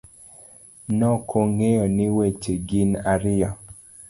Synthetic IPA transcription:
nɔkʰoŋejɔnɪwet͡ʃeɡinaɾɪja

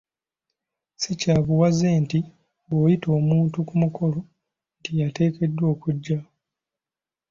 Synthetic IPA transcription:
sicaːβuwazeːnti | βoːjito̞ːmuːntukumukʰo̞lo | ntijate̞ːke̞dːwo̞ːkuɟːa

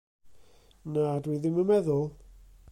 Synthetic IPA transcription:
nadwiðɪmənmɛðʊlˠ

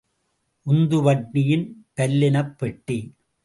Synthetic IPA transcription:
ʔʊnd̪ɯʋɐʈːɪjɪnpɐlːɪnɐpːɛʈːi

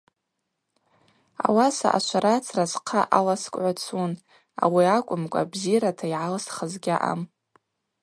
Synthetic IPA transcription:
a̰wasa̰ʔa̰t͡ʃʷʰaɾat͡sʰrazqʰaʔalaskʷʼʕʷat͡sʰun | a̰wiakʷʼʊmkʷʼa̰bziratʰaiʕalsχəzɡʲaʔa̰m

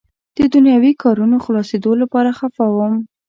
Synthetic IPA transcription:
d̪̥əd̪ʊnjɑwikɑɾunoxlɑsed̪olapɑɾaxafawəm

